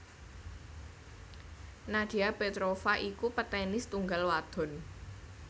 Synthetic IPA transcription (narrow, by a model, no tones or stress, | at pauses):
nad̪̥iapet̪ɾofaʔikupət̪ɛnɪst̪uŋɡalwad̪̥ɔ̤n